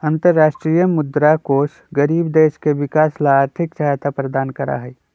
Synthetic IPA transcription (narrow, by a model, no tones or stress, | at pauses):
ə̃nt̪əɾːaːʃʈɾijəmʊd̪ɾakoːʃ | ɡəɾiːbd̪eːʃkeʋɪkaːslaaːɾt̪ʰɪkt͡ʃaɦt̪apɾəd̪aːnkəɾa̰ɦɛi